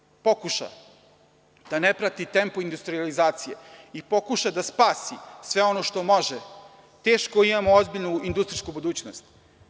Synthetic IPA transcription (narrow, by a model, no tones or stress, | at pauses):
po̞kuʃa̰ | d̪̥anepɾat̪it̪e̞mpoind̪ust̪ɾializaːt̪sijḛipo̞kuʃad̪aspaːsisʋe̞o̞noʃt̪o̞mo̞ʒe | t̪e̞ːʃkoimamoozbiʎnuind̪ust̪ɾiskubud̪uːt͡ɕnost̪